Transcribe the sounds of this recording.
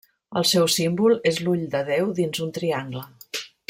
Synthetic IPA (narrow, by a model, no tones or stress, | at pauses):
ə̰lˠsɛwsimbulˠezluʎd̪əðɛwðinzunt̪ɾiaŋɡlə